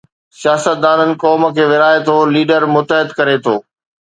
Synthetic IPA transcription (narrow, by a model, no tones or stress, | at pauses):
sjaːsət̪̚d̪aːnənɪ̆kɔːmə̆kʰeːʋɪɾaːet̪ʰoːliːɖəɾmʊt̪əɦɪd̪kɐɾet̪ʰoː